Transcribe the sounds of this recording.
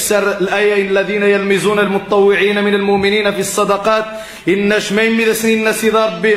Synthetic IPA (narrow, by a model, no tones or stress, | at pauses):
sɑɾˤlʔæːjaʔɪnlːæðiːnajalmɪzuːnalmʊt̪ɑt̪ˤːɑwːɪʕiːnamɪnalmʊʔmɪniːnafisˤːɑd̪ɑqɑːt̪̚ | ʔɪnːæʃmæjmːid̪æsninːæsid̪ˤɑɾˤb